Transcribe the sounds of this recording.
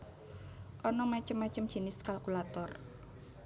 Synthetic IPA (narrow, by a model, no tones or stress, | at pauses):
ʔɔnɔmat͡ʃəmːat͡ʃəmʒ̥i̤nɪskalkulat̪ɔr